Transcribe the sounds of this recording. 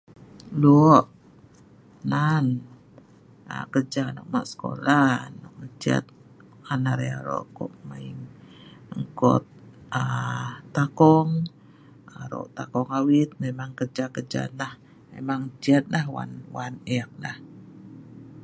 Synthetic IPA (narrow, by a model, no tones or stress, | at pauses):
luʔ | nan | ə̰kərd͡ʒanɔʔ̚maʔsə̥ko̰lanɔk̚mət͡ʃia̰t̪̚ | kanaɾea̰ɾɔ̰ʔkɔ̰ʔmaiŋ | ŋkɔ̰t̪̚ə | akɔŋ | aɾo̰ʔt̪akɔŋawit̪̚memaŋkərd͡ʒakəd͡ʒa̰nah | mḛmaŋt͡ʃiat̪̚lahwa̰nwaneak̚lah